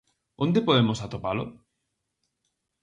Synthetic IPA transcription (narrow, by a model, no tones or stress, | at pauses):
ond̪epoðemosat̪opalo̰